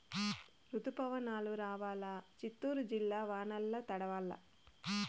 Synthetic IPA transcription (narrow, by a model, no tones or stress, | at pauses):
ɾut̪upɐʋɐnaːluɾaːʋaːlɐt͡ʃit̪ːuːɾud͡ʒilːaːʋaːnɐlːɐt̪ɐɽɐʋaːlːɐ̰